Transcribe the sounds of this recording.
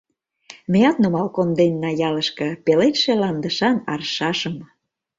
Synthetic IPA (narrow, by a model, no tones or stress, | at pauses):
mĕjɑt̪nomɑlkond̪enːɑjɑləʃkɤ̆pelet̪ʃelɑnd̪əʃɑnɑrʃɑʃəm